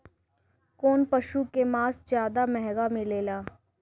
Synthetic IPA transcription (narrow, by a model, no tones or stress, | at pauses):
koːnpɐʃukemaːsd͡ʒjaːd̪amɛɦɡamẽleːlaː